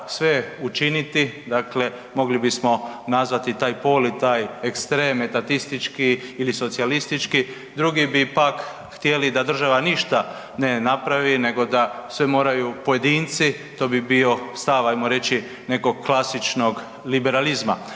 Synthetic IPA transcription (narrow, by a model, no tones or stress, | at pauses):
sʋe̞ut͡ʃinit̪id̪akle̞ | mo̞ɡlibismo̞nazʋat̪it̪aːjpo̞ːlit̪aːjekst̪ɾe̞ːmet̪at̪ist̪it͡ʃkiːliso̞t̪sialist̪it͡ʃki | d̪ɾuɡibipak | xt̪jelid̪ad̪r̩ʒaʋaniʃt̪a | ne̞napɾaʋine̞ɡo̞d̪asʋemo̞ːɾajupo̞je̞d̪iːnt̪si | t̪o̞ːbibio̞st̪aʋajmoɾe̞t͡ʃi | ne̞ko̞ɡ̚klˠasit͡ʃno̞ɡ | libe̞ɾalizma